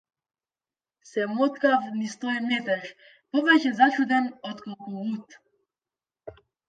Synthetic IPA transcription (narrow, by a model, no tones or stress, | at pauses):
sɛmɔt̪kafnist̪ɔjmɛt̪ɛʃ | pɔvɛcɛzat͡ʃud̪ɛnɔt̪kɔlˠkuvut̪